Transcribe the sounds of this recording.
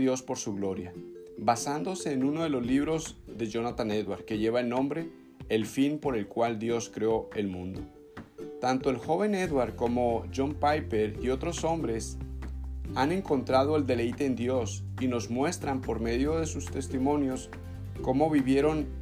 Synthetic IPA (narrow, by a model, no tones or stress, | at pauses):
ðjo̞spo̞ɾsuɣlo̞ɾja | βasand̪o̞se̞ːnũno̞ðe̞lo̞zliβɾo̞zðe̞ʝo̞nat̪ane̞ðwaɾ̚ke̞ʝe̞βaelnːõ̞mbɾe̞ː | lfinpo̞ɾe̞lkwald̪jo̞skɾeo̞e̞lmũnd̪o̞ | t̪ant̪o̞e̞lxo̞β̞e̞ne̞ðwaɾko̞mo̞ʝo̞mpajpeɾio̞t̪ɾo̞so̞mbɾe̞s | ane̞ŋko̞nt̪ɾaðo̞e̞ld̪e̞le̞jt̪e̞ːnd̪jo̞s | ino̞zmwe̞st̪ɾampo̞ɾme̞ðjo̞ðe̞sust̪e̞st̪imõ̞njo̞s | ko̞mo̞βiβje̞ɾo̞n